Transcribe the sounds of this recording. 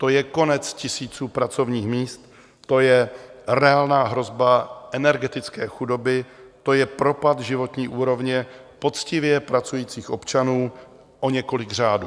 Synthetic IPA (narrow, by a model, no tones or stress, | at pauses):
t̪o̞jɛko̞nɛt͡scɪsiːt͡suːpɾat͡so̞vɲiːxmiːst̪ | t̪o̞jɛrɛaːlnaːɦɾo̞zbaʔɛnɛɾɡɛt̪ɪt͡skɛːxudo̞bɪt̪o̞jɛpɾo̞pat̪ʒɪvo̞t̪ɲiːʔuːɾo̞vɲɛpo̞t͡scɪvjɛpɾat͡sujiːt͡siːxʔopt͡ʃanuː | ʔo̞ɲɛko̞lɪɡr̝aːdu